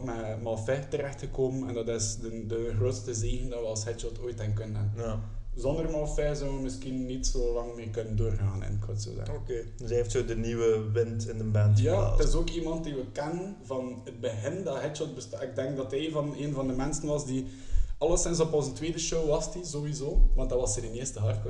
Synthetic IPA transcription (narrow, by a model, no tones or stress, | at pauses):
mɛmɑlˠfɛtəɾɛxtxəkoːmənɛndɑtɪsdədəɣroːtstəzeːɣəndɑʋəɑlˠshɛt͡ʃɔltʰoːjtɛnkɵnənə | zɔndərmɑlˠfɛzɔwʋəmɪskinːitsoːlɑŋmeːrkɵnəndoːrɣaːnɛ̰nkʰɑːətso̰ːzɛ̰okeː | sɛɪftsoːdəniwəʋɪntɪndəmbɛnja̰ːtɪzoːkimɑnt̚diʋəkɛnənvɑnəd̚bəɦɪndɑɦɛt͡ʃɔlˠt̚bəstɑɪɡ̚dɛŋk̚dɑtɦɛjvɑneːnvɑndəmɛnsənʋɑsdiɑlˠərsɪns̬ɔpɔnzəntweːdəʃoːwʋɑstizowizoːʋɑnt̚dɑʋɑsədənɪəstəɦɑrtkə